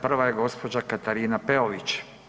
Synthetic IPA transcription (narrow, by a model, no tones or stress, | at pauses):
pr̩ʋajeɡo̞spo̞d͡ʑakat̪aɾiːnapeoʋit͡ʃ